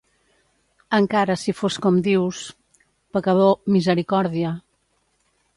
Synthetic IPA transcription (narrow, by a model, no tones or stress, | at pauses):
əŋkaɾəsifoskɔmd̪iws | pəkəðomizəɾikɔɾðiə